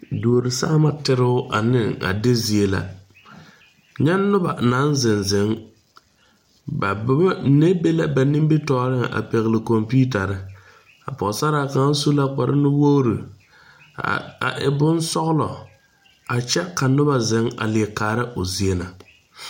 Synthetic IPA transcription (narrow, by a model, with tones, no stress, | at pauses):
doː˨ɾi˨sa̰˦ma˦tɪ˦ɾɪ˦ʊ˦ʔa̰˨nɪ˦ŋa̰˨de˦zi˨e˦la̰˨ | ɲɛ˦nːʊ˦ba̰˨na˦nzɪ˨nzɪ˨˦ŋ | ba˨˦ne˦be˦la˦ba˨ni˦mbɪ˦tɔː˦ɾɪ˦ŋa˨ʔa̰˨pɛ˨ɣɪ˨lɪ˨ko˨mpi˦ta˨ɾɪ˦ | a̰˨pɔ˨sa˦ɾa˨ka˦su˦la˦k͡pa˨ɾɪ̰˦nʊ˦wo˦ɾḭ˨ | a̰˨ʔɪ˨bʊ˦nsɔ˦ɣlɔ̰˨ | a˨t͡ʃɛ˦ka˨nʊ˦βa˨zɪ˨˦ŋa̰˨lɪ˨ɛ˨kaː˨ɾɪ˦ʔʊ˨zi˨e˦na˨